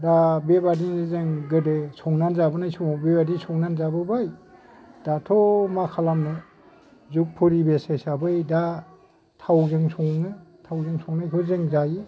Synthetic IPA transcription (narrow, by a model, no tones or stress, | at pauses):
dabebadizɯŋɡɯdɯsɔŋnanzabɯnajsɔbebadisɔŋnanzabɯbaj | d̥atʰɔmakʰalamnɯ | zuk̚pʰɔɾibesajsabɯjda | tʰawzɯŋsɔŋnɯtʰawzɯŋsɔŋnajkʰɯzɯŋzaji